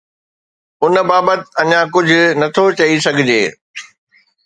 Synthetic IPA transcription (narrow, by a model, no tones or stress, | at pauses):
ʊnbaːbət̪ɐɲãkʊd͡ʑʱʊ̆nɐt̪ʰot͡ɕɐisɐɡʱɪd͡ʑeː